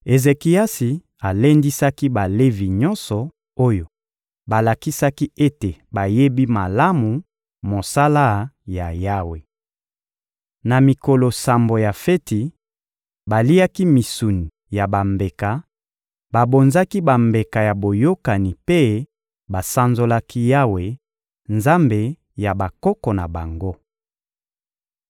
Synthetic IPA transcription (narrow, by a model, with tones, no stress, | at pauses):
e˨ze˨ki˨a˦si˨ | a˨le˦ndi˦sa˦ki˦ba˨le˦vi˨ɲɔ˦nsɔ˨ | o˦jo˨ | ba˨la˨ki˦sa˦ki˦e˦te˨ba˨je˦bi˦ma˨la˦mu˨ | mo˨sa˦la˦ja˨ja˦we˨ | na˨mi˨ko˨lo˨sa˨mbo˨ja˨fe˦ti˨ | ba˨li˦a˦ki˦mi˨su˨ni˨ | ja˨ba˨mbe˨ka˨ | ba˨bo˨nza˦ki˦ba˨mbe˨ka˨ja˨bo˨jo˦ka˨ni˨pe˦ | ba˨sa˦nzo˦la˦ki˦ja˦we˨ | nza˦mbe˨ | ja˨ba˨kɔ˦kɔ˨na˨ba˨ŋɡo˦